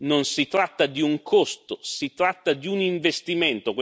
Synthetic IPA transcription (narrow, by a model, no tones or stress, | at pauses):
nonsit̪ɾat̪ːad̪iuŋkʰost̪osit̪ɾat̪ːad̪iuniɱvest̪iment̪okw